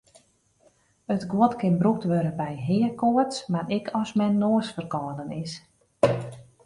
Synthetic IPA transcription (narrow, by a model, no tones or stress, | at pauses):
ətɡwɔtkɪnbruk̚tʋøɾəbɛjɦɪəkoətsmarɪkʰɔsmɛnːoːəsfərkɔːdənɪs